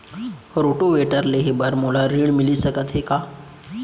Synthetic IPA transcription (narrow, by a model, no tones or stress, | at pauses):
ɾoʈoʋeʈəɾleɦebəɾmul̤aɾiːɽmilisəkət̪ɦeka